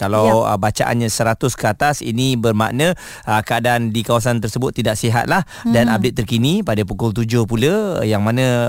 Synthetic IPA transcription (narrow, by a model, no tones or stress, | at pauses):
kalaə̰bat͡ʃa̰ʔa̰nɲasəɾat̪ʊskəat̪asḭnibərma̰ʔnə̃ | əkəadaʔːndikawasant̪ərsəbʊt̪ːidaʔsiɦa̰t̪̚lah | danap̚det̪̚ːərkinipadapukʊlt̪̬ud͡ʒʊhpuləjaŋmanə̃